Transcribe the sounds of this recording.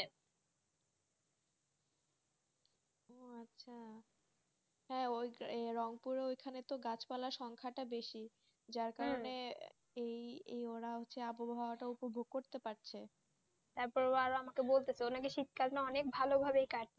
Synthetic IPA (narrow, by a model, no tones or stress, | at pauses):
oatːɕʰa | ɦɛ̃ojɾɔŋpuɾeojkʰanet̪oɡat͡ɕpalaɾʃɔŋkʰaʈabeʃi | d͡ʑaɾkaɾone | ejejoɾaɦotːɕʰeabobʱaaʈaupobʱoɡ̚koɾt̪epaɾt͡ɕʰe | t̪aɾpɔɾoaɾoamakebolt̪et͡ɕʰeonakeʃit̪̚kaɾnaɔnek̚bʱalobʱabeejkaɾt̪e